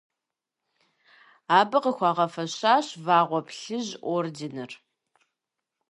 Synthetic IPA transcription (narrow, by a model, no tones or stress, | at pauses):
aːbɨqəxʷɑːʁɐfɐɕaːɕvaːʁʷɔpɬɨʑʔʷoːrdɪnɨr